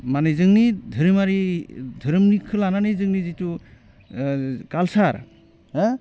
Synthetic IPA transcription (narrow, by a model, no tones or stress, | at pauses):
manezɯŋnidʱɯɾɯmaɾidʱɯɾɯmnikʰɯlananezɯŋnizitu | kalsaɾ